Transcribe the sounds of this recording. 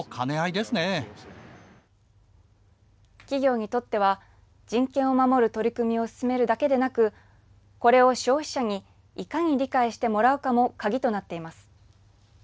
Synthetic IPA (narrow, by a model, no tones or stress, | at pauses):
kʰane̞aid̪esɨne̞ | kʲiɡʲo̞ːɲ̟it̪o̞t̪ːe̞β̞a | d͡ʑĩŋkẽ̞ɰ̃o̞mamo̞ɾɯ̟t̪o̞ɾʲikɯ̟mʲio̞sɨ̥sɨme̞ɾɯ̟d̪ake̞d̪e̞nakɯ̟ | ko̞ɾe̞o̞ɕo̞ːçʲi̥ɕaɲ̟iː | kaɲ̟iɾʲikaiɕi̥t̪e̞mo̞ɾaɯ̟kamo̞kaɡʲit̪o̞nat̪ːe̞imasɨ̥